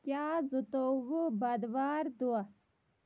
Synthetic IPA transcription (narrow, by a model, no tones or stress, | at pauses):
kjaːzut̪oʋubɐd̪ʋaːɾd̪ua